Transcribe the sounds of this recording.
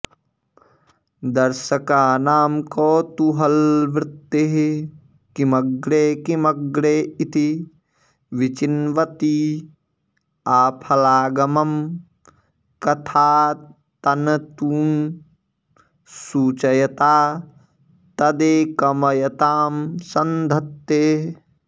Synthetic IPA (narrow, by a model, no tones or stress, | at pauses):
d̪ɐɾʃəkaːnaːmkoːt̪uɦɐlʋɾɪt̪ːeɦe | kimɐɡɽeːkimɐɡɽeːit̪ʰi | ʋit͡ʃinʋɐt̪i | aːpʰɐlaːɡɐmɐm | kɐt̪ʰaː | t̪ɐnɐt̪uːn | suːt͡ʃɐjɐt̪aː | t̪ɐd̪eːkɐmɐjɐt̪aːmsɐnd̪ʱɐt̪ːeː